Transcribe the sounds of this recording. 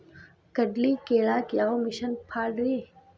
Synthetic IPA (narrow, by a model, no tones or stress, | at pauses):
kɐɖlikeːɭaːkaːomɪʃənpʰaːɽɾiː